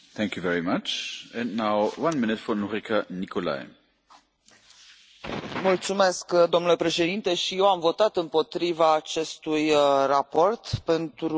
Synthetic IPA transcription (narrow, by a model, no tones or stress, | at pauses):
θɛ̃ŋkjuvɛɹimat͡ʃɛ̃nːaʊwãnmɪnɨt̪fɔnuɾikʰanikola̰j | mult̪sume̞skd̪omnule̞pɾe̞ʃe̞d̪int̪e̞ʃije̞wamvo̞t̪at̪ɨmpo̞t̪ɾivaːt͡ʃe̞st̪ujrapo̞rt̪pe̞nt̪ɾu